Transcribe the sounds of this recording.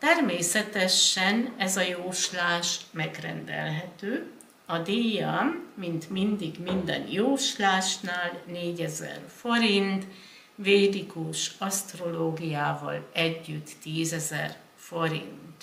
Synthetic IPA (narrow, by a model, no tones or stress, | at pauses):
t̪ɛrmeːsɛt̪ɛʃɛnɛzɒjoːʃlaːʃmɛɡrɛ̰nd̪ɛ̰lɦɛt̪øː | ɒd̪eːjɒmːint̪mind̪iɡmind̪ɛ̰njoːʃlaːʃnaːlneːɟɛzɛ̰rfo̞ɾint̪ | vejrikuʃɒst̪ro̞loːɡijaːvɒ̰lɛɟːyt̪ːiːzɛzɛ̰r | fo̞ɾḭnt̪